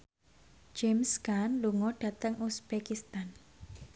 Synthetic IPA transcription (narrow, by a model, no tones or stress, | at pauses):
d͡ʒɛmskanluŋɔɖ̥ä̤t̪əŋusb̥ekist̪an